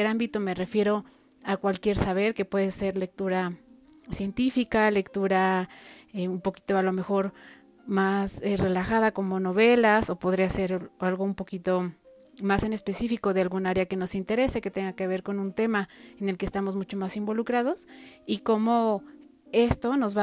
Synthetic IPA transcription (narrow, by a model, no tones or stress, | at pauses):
eɾambit̪o̞me̞re̞fje̞ɾo | akwalkje̞ɾsaβ̞e̞ɾke̞pwe̞ðese̞ɾle̞k̚t̪uɾa | sje̞nt̪ifikale̞kt̪uɾa | eumpo̞ki̥t̪o̞alo̞me̞xo̞ɾ | masere̞laxaðako̞mo̞no̞βe̞laso̞po̞ð̞ɾease̞ɾalɣoumpo̞kit̪o̞ | mase̞ne̞spe̞sifiko̞ðealɣunaaɾeake̞no̞sint̪e̞ɾe̞se̞ke̞t̪e̞ŋɡake̞βe̞ɾko̞nũnt̪e̞maene̞lkeːst̪amo̞zmut͡ʃo̞masimbo̞lukɾað̞o̞siko̞mo̞ | e̞st̪o̞no̞zβa